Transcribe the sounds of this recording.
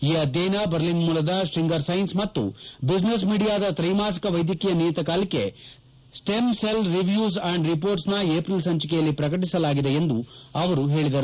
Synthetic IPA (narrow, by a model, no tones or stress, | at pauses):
iːɐd̪jɛːjnabɐɾlinmuːlɐd̪ɐsʈɾiŋɡɐɾsɐjnsmɐt̪ːṵbid͡ʒnes̬miːɽijaːd̪ɐt̪ɾɐjmaːs̬ɐ̥kɐʋɐjd̪jɐkijɐniːjt̪ɐkaːlikːe̞ | sʈemselɾiʋjuːs̬ɐɳɖɾipoːɾʈsnɐeːpɾilsɐɲt͡ʃikɛjɐlːipɾɐkɐʈisɐlaːɡid̪eend̪uɐʋɐɾuɦe̞ːɭid̪ɐɾu